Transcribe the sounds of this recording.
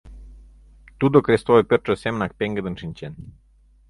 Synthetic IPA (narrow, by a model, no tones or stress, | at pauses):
t̪ud̪okɾest̪oepʲert͡ʃəsemnak̚peŋɡəd̪ɨnʃinʲt͡ʃen